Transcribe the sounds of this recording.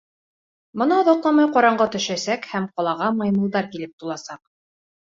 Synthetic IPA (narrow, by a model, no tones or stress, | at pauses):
mŏnɑɒðɒqlˠɑmɑjqɒɾɑɴɢɑt̪ɵ̆ʃæsækhæmqɒlˠɑʁɑmɑjmɤ̆lˠd̪ɑɾkilɘp̚t̪ulˠɑsɑq